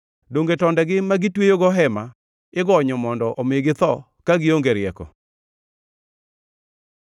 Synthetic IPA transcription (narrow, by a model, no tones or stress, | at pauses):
doŋɡetɔndɛɡɪmaɡɪtwejoɡɔɦɛma | ɪɡɔɲɔmɔndɔʔɔmeɡɪt̪ɔ | kaɡɪoŋɡeɾɪɛkɔ̰